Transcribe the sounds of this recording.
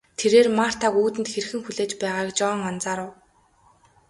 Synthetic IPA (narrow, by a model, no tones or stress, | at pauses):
t̪ʰeɾeːrmar̥t̪ʰaːkuːt̪ɘ̆nt̪xeɾ̆xɘ̆ŋxuɮeːt͡ɕpæːʁaːkt͡ɕɔːŋant͡saːɾʊw